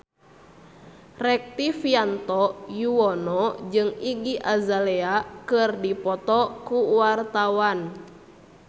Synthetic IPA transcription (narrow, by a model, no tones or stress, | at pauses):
rɛk̚t̪ifiant̪ɔjuwɔnɔd͡ʒɨŋiɡiʔazaleakɨrdipɔt̪ɔkuwart̪awan